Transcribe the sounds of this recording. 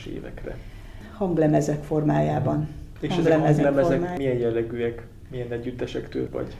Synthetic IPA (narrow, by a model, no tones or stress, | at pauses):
ʃḛːvɛ̰krɛ̰ | hɒŋɡlɛmɛzɛkfo̞rmaːjaːbɒneːɒɛzɡɛlɛmɛzɛmɛzɛmaːmijɛnjɛlːɛɡyːɛk | mijɛnɛɟːyt̪ːɛʃɛkt̪ø̰ːlvɒ̰ɟ